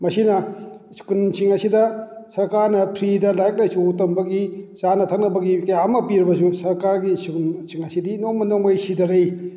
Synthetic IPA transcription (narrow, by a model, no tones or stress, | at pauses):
mɐsinɐskunsiŋɐsidɐsɐɾkaɾnɐpʰɾidɐlajk̚lajsuutɐmbɐɡisanɐtʰɐk̚nɐbɐɡikɐjamɐpiɾbɐs̬usɐɾkaɾɡiskunsiŋɐsidinoŋmɐnoŋmɐjsidɐɾej